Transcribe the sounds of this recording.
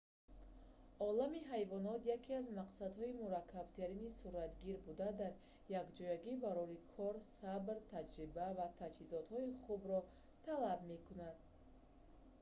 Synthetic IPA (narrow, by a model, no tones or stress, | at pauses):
ɔlamiɦajvɔnɔt̪jakʰiazmaqsad̪hɔimuɾakʰːabt̪ʰeɾinisuɾat̪ɡiɾbud̪ad̪aɾ | jakd͡ʒɔjaɡibaɾɔɦikʰɔɾsabɾt̪ʰad͡ʒɾibavat̪ʰad͡ʒhizɔt̪hɔiχubɾɔ | t̪ʰalabme̞kunad̪